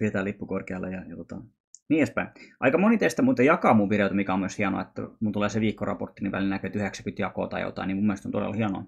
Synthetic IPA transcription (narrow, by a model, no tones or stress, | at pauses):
piet̪æːlipːukorkeɑlːejɑjɑt̪ot̪ɑ̰ | niːæspæiɑ̰ikɑmonit̪est̪æʋmut̪ːejɑkɑːmuʋpireˑt̪ɑmikæomumeshiɑno̰ɑ̰et̪ːæ̰munt̪uleːˑseʋiːkːorɑ̰port̪ːiniʋæ̰lilnækøet̪yheksæ̥kyt̪jɑko̰ːt̪ɑ̰jo̰t̪ɑ̰iniːmumːelest̪ont̪odḛlhiɑno̰ɑ